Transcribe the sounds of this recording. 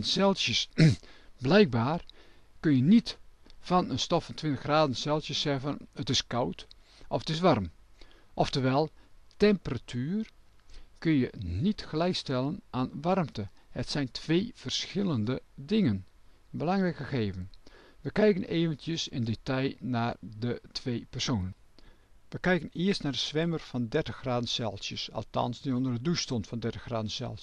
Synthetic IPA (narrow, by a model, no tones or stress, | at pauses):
nsɛlˠsjəs | blɛjk̚baːrkɵnjənitfɑnənstɔffɑntʰʋɪntəxraːdənsɛlˠsjəsɛvənətɪskʌwt | ʔɔfətɪsʋɑrmʔɔftəʋɛlˠtɛmpəratʰyːr | kɵnjənitxlɛjstɛlˠənʔaːnʋɑrmtəhətsɛjntʰʋeːv̥ərsxɪlˠəndədɪŋənbəlɑŋrɛjkəɣeːvənʋəkɛjkənʔeːvəntjəsɪ̰ndetɑjnaːrdətʰʋejpərsoːnən | ʋəkɛjkənɪərstnaːrdəsʋɛmərfɑndɛɹtəxraːdənsɛlˠsjəsɑ̰lˠtɑ̰nsditondərədustɔntfɑndɛɹtəxra̰ːdən̩sɛ̰lˠ